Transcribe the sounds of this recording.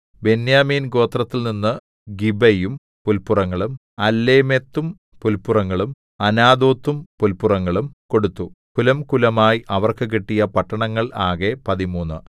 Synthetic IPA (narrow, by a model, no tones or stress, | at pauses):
be̞njaːmiːnɡo̞ːt̪rɐt̪ːilninːɨ | ɡibɐjum | pulpurɐŋːɐɭum | ɐlːeːmet̪ːum | pulpurɐŋːɐɭum | ɐnaːd̪oːt̪ːumpulpurɐŋːɐɭumko̞ɽut̪ːukulɐmkulɐmaːjiʔɐʋɐrkɨk̬eʈːijɐpɐʈːɐɳɐŋːɐɭaːɣepɐðimuːnːɨ̰